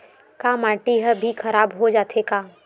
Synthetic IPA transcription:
kamaːʈiɦəbʱikʰɐɾaːbɦod͡ʒaːt̪ʰekaː

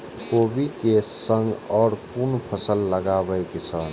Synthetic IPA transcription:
koːbikesə̃ŋɡɔːɾpunpʰəsəlːəɡaːbəekɪsaːn

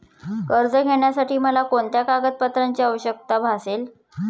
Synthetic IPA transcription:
kəɾd͡zəɡʱeɳjasaʈiːməlakoɳt̪jakaɡət̪̚pət̪ɾaɲt͡ɕiːəʋəɕək̚t̪abʱasel

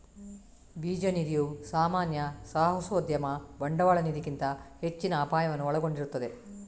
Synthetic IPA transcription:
biːd͡ʒɐnid̪ijusaːmaːnjɐsaːɦɐsoːd̪jɐmɐbɐɳɖɐʋaːɭɐnid̪ikint̪ɐhe̞t͡ʃːinɐːpaːjɐʋɐnːuɔɭɐɡo̞ɳɖiɾut̪ːɐd̪e̞

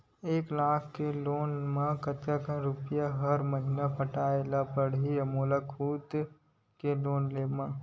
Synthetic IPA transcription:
eːklaːkʰkeloːnmãkɐt̪akãɾʊpɪjaɦɐɾmɐɦɪnapɐʈaːelapɐɽɦiɐmoːlakʰuːt̪ | keloːnleːmã

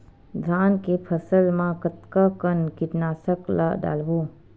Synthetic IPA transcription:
d̪ʱaːnkepʰəsəlmãkət̪kakənkɪʈnaːsəkla̰ɖa̰ːlʋo

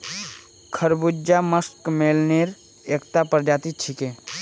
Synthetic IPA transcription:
kʰəɾbud͡ʒaməskmeːlneːɾ | ekt̪apəɾd͡ʒaːt̪it͡ʃʰike

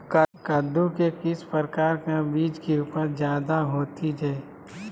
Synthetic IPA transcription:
kakad̪ũkekɪspəɾkaːɾkabiːd͡ʒkeuːpəɾd͡ʒjaːd̪aɦoːt̪id͡ʒɛː

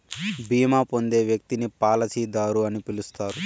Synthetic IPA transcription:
biːmaːpo̞nd̪e̞ːʋjɐk̚t̪inipaːlɐsiːd̪aːɾuɐnipilust̪aːɾu

